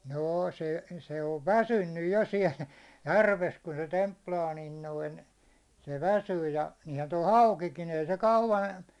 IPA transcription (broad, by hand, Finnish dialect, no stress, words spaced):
noː se se oʋ ʋæsynːyj jo siɛl jærʋes ku se templɑː niːn noin se ʋæsyː jɑ niːhæn toi hɑukikin ei se kɑuʋɑn